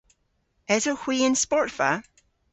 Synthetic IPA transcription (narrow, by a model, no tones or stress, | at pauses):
ɛzəhw̥iɪ̃nspɔɹtfə